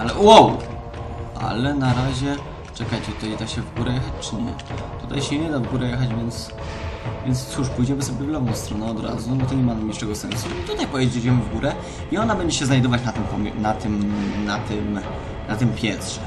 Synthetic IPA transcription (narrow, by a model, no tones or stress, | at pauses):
alɛwow | ʔa̰lɛnaɾaʑɛ | t͡ʂɛkajt͡ɕɛt̪ut̪ajɛd̪aɕɛvɡuɾɛjɛxat͡ɕt͡ʂɘɲɛ̰t̪ut̪a̰jɕɛɲɛd̪avɡuɾɛjɛxad͡ʑvʲjɛnt̪s | vʲjɛnt̪st̪suʂpujd͡ʑɛmɘsɔbʲjɛvlɔbɔ̃w̃st̪ɾɔnɛɔd̪ɾa̰zunbɔt̪ɔɲɛmanamɲʲiʂɛɡɔsɛnsuit̪ut̪ajpɔjɛd͡ʑed͡ʑɛmɘvɡuɾʔɛ | iɔnabɛɲd͡ʑɛɕɛznajd̪ɔvat͡ɕnat̪ɪmpɔmʲnat̪ɘmnat̪ɘm | nat̪ɘmpʲjɛnt̪ʂɛ